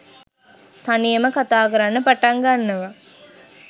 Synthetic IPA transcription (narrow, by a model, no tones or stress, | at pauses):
t̪anijəməkat̪aːkəɾanːəpaʈaŋɡanːɐʋa